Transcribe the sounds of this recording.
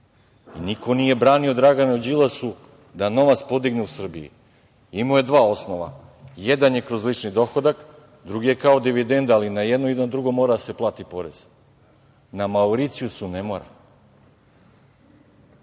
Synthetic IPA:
iniko̞nije̞bɾaːnio̞d̪ɾaɡanoud͡ʑilˠasu | d̪ano̞ʋat̪spo̞d̪iɡneusr̩bḭḭ | imoje̞d̪ʋaːo̞snoʋa̰jed̪anje̞kɾo̞zlˠit͡ʃnid̪o̞xod̪ak | d̪ɾuɡije̞kao̞d̪iʋid̪e̞nd̪alinajed̪noed̪and̪ɾuɡo̞moːɾad̪ase̞plˠaːt̪ipo̞ɾez̥ | namauɾit̪sijusunemoɾa̰

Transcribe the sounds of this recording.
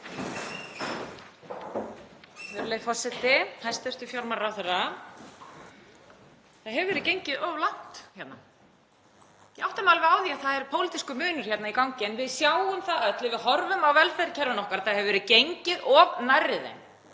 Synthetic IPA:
θɛɾleːjfɔsɛt̪ɪhajst̪œst̪ʏfjaɾmaɾaθɛɾa | θaðɦɛvʏvɛɾɪðcejɲcɪðɔvlan̥t̪çɛt̪na | iʔawht̪amalvɪaːwðiaθaðɛɾpʰoːwlit̪iskʏmʏːnʏɾ̥çjɛt̪naikawɲcɪɛnvɪðsjaːwʏmθaðœt̪lɪvɪðhɔɾvʏmawvɛlfɛðɾcʰɛɾvɪnɔhkaɾaθaðhɛvʏvɛɾɪðcejɲcɪðɔvnajrːɪðɪ̰n

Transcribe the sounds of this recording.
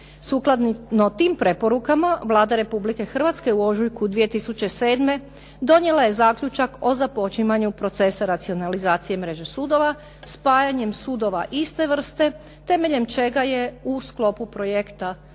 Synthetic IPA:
suklˠad̪ninot̪iːmpɾe̞po̞ɾukamaʋlˠaːd̪aɾe̞publike̞xr̩ʋat̪skeuo̞ʒujkud̪ʋije̞t̪isut͡ʃe̞se̞ːd̪me̞ | d̪o̞nje̞lˠaje̞zaːklʎut͡ʃako̞zapo̞t͡ʃimaɲupɾo̞t̪se̞saɾat̪sio̞nalizaːt̪sije̞mɾe̞ʒe̞suːd̪o̞ʋa | spaːjaɲe̞msuːd̪o̞ʋaʔist̪e̞ʋr̩st̪e̞ | t̪e̞me̞ʎe̞mt͡ʃe̞ɡaje̞usklˠo̞pupɾo̞jekt̪a

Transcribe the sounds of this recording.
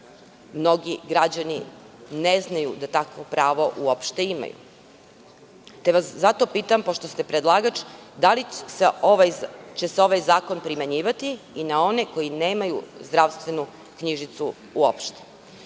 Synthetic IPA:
mno̞ɡiɡɾad͡ʑani | neznajud̪at̪akʋo̞pɾaːʋo̞ʔuo̞pʃt̪e̞ima̰jṵ | t̪eʋaszat̪o̞piːt̪ampoʃt̪o̞st̪e̞pɾed̪lˠaːɡat͡ʃd̪aliseoʋajt͡ɕeseo̞ʋajzaːko̞npɾimaɲiːʋat̪iːnao̞ne̞ko̞jineːmajṵzd̪ɾaʋst̪ʋe̞nu | kɲiʒit̪su | uo̰pʃt̪e̥

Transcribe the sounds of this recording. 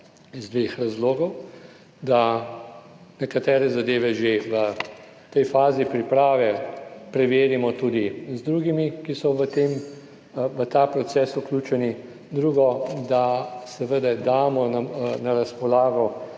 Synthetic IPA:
izd̪ʋeːxɾazloːɡɔw | d̪a | nɛkat̪ɛːɾɛzad̪eːʋɛʒeʋə | t̪ɛjfaːzipɾipɾaːʋɛpɾɛʋeːɾimɔt̪ud̪izd̪ɾuːɡimikisɔʋət̪eːm | ʋət̪aːpɾɔt̪sɛːsuklʲuːt͡ʃɛni | d̪ɾuːɡɔd̪asɛʋəd̪ɛd̪aːmɔnanaɾaspɔlaːɡɔ

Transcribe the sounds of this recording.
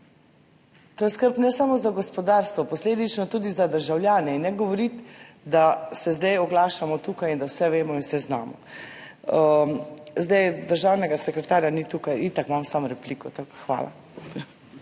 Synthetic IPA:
t̪oːjɛskəɾpnɛsamɔzaɡɔspɔd̪aːɾst̪ʋɔpɔsleːd̪it͡ʃnɔt̪uːd̪izad̪əɾʒawljaːnɛinːɛɡɔʋɔɾit̪ | d̪asɛzd̪ɛjɔɡlaːʃamɔt̪uːkajind̪awsɛʋeːmɔinwsɛzna̰ːmɔ̰ | zd̪ɛjd̪əɾʒaːwnɛɡasɛkɾɛt̪aːɾjanit̪uːkajit̪akmamsamɾɛplikɔt̪akxʋa̰ːla̰

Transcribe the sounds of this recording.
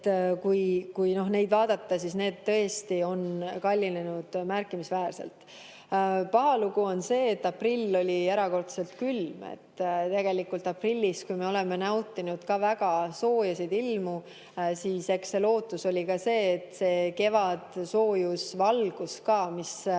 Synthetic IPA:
kujkujno̞hne̞jd̪vɑːd̪̥ɑt̪ːɑsisne̞ːd̪t̪ːɤest̪io̞nkɑlʲːine̞nud̪̥mærkːˑimisvæːrse̞̰lt̪ | pɑɦɑluɡ̥uo̞nse̞ːt̪ːɑprilːo̞lʲieɾɑko̞rt̪se̞lt̪kylmḛt̪ːt̪eɡ̥e̞likːˑult̪ɑprilʲːiskujme̞o̞le̞me̞næwt̪ːˑinud̪̥kɑvæɡ̥ɑso̞ːjɑsid̪ilmu | siːse̞kse̞lo̞ːt̪ːˑuso̞lʲikɑse̞ːt̪ːse̞ːke̞vɑd̪̥so̞ːjusvɑlɡ̥uskɑːmis

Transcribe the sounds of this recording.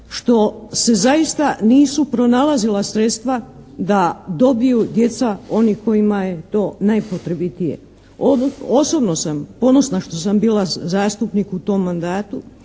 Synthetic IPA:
ʃt̪o̞se̞zajist̪aniːsupɾo̞nalazilasɾe̞t̪st̪ʋad̪ad̪o̞bijud̪je̞t̪sao̞nihko̞jimaje̞t̪o̞ːnajpot̪ɾebit̪ije̞̰ | ooso̞bno̞sampo̞no̞snaʃt̪o̞sambiːlazaːst̪upnikut̪o̞mːand̪aːt̪u

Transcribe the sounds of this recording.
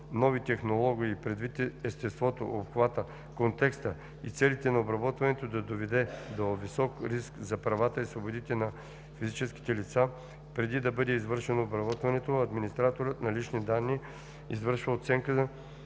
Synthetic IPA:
nɔvit̪ɛxnolˠɔɡiiːpɾɛd̪vit̪ɛst̪ɛst̪vɔt̪o̰ʔopxvat̪ə | kont̪ɛkst̪ə | it̪sɛlit̪ɛnɐobɾɐbɔt̪vɐnɛt̪od̪ɐd̪ovɛd̪ɛd̪ovisɔkɾiskzɐpɾɐvat̪əisvobod̪it̪ɛnɐ | fizit͡ʃɛskʲi̥t̪ɛlit̪sa | pɾɛd̪id̪ɐbɤd̪ɛizvɤɾʃɛnoːbɾɐbɔt̪vɐnɛt̪oɐd̪minist̪ɾat̪oɾət̪nɐlit͡ʃnid̪anːi | izvəɾʃvəot̪sɛŋkə

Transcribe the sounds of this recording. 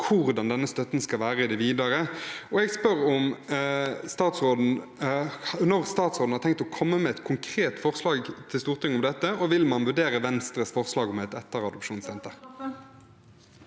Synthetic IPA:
kʰʊʁd̪ɑnd̪ɛnːəst̪œt̪n̩skɑlʋæːʁəɪd̪ɛʋiːd̪ɑʁəɔɛɡspœʁɔm | st̪ɑːt̪sʁoːd̪n̩ | nɔʁst̪ɑːt̪soːdn̩hɑʁt̪ɛŋk̚t̪ɔkʰɔmːəmɛɛt̪kʰʊŋkʰʁeːt̪fɔʁslɑːɡt̪ʰɪlst̪uːʁt̪ʰɪŋːʊmd̪ɛt̪ːəɔʋɪlmɑnʋʉɖeːʁəʋɛnst̪ɾəsfɔʁslɑːɡɔmɛt̪ɛt̪ːəʁɑd̪ʊpʃuːnsɛnt̪əʁ

